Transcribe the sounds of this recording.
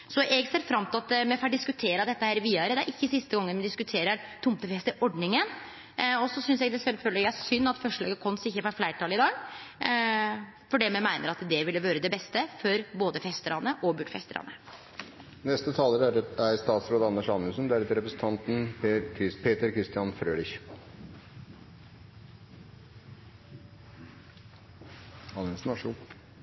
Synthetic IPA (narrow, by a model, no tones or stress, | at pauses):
sɔʔɛɡseːɾfɾɑmt̪ʰɑt̪mɛfɑɖɪskʉt̪ʰeːɾəd̪ɛt̪ːəhæːɾʋiːɑɾəd̪ɛæɾʔɪçːəsɪst̪əɡɔŋːənmɛd̪ɪskʉt̪ʰeːɾəɾt̪ʰʊmt̪əfɛst̪əʔɔɖɳɪŋən | ɔsɔsʏnsɛɡd̪ɛsɛlføːləæsʏnːɑt̪fœʂɭɑ̰ːɡəkʰɔnsɪçːəfɑflæɪʈʰɑːlɪd̪ɑːɡ | fɔɖɛːmɛmæɪnʔəɾɑt̪d̪ɛʋɪlːəʋøːɾəd̪ɛbɛst̪əfɔɾboːd̪əfɛst̪əɾɑnəʔɔbʉʈfɛ̰st̪ə̰ɾɑ̰nə | nɛst̪ət̪ʰɑːləɾæɾæɾst̪ɑːt̪sɾoːd̪əɑnːəʂɑnəsənd̪ɛæɾɛt̪ɾɛpɾəsən̩t̪ʰɑnt̪n̩ɪpʰeːt̪əɾkʰɾɪst̪ɪjɑnfɾøːlɪç | ɑnɛnsn̩ɑʂuː